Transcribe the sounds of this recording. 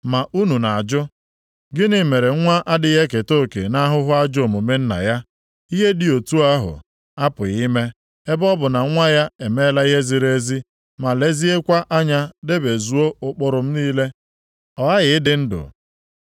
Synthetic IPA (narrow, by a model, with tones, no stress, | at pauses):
ma˨ʔu˦nu˨na˨a˨d͡ʒʊ˦ | ɡɪ˦nɪ˦me˨ɾe˨˦a˦ʔa˦dɪ˦ɦe˦ke˨to˦˨kḛ˨na˦ɦʊ˦ɦʊ˦a˦d͡ʒʊ˦o˨mʊ˨me˦n̩˦na̰˨ja˦ | i˦ɦe˦dɪ˨o˨tu˦a˦ɦʊ̰˨ | a˦pʊ˨ɣi˦me˦ | e˦bɔ˦bʊ˨na˨˦ŋʷa˦ja˦e˨me˦la˦i˦ɦe˦zi˨ɾe˦zi˦ | ma˨le˦zi˦e˦kʷa˦ʔa˦ɲa˦de˦be˨zu˨˦o˦ʊ˨k͡pʊ˨ɾʊ˨m̩˦niː˦le˦ | ɔ˨a˦ɣɪ˨˦ɪ˦dɪ˨˦n̩˦dʊ̰˨